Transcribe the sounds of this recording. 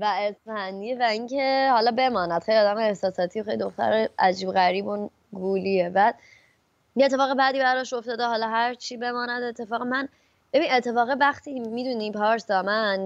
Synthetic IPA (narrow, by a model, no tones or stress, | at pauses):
væesfænd̪iːevæiŋcʰe̞hɒlɒbe̞mɒːnæd̪̥xejliɒːd̪æmeːhsɒːsɒːt̪ʰijoxejlid̪oxt̪ʰæ̰ɾeʔæd͡ʒiːbɣæɾiːbon | ɡuːlievæ | et̪ʰːefɒːɣebæd̪iːbæɾɒʃo̞ft̪ɒːd̪eɦɒːlɒɦæɾt͡ʃʰiːbe̞mɒːnæd̪e̞t̪ʰːe̞fɒːɣæmæn | be̞bine̞t̪ʰːe̞fɒːɣevæxt̪ʰiːmiːd̪unipʰɒːɾsɒmæn